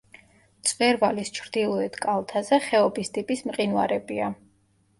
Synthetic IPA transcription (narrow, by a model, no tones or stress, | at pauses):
t̪sʼvɛɾvalist͡ʃʰɾd̪̥ilˠɔɛt̪ʰkʼalˠt̪ʰazɛχɛɔbist̪ʼipʼismqʼinwaɾɛbia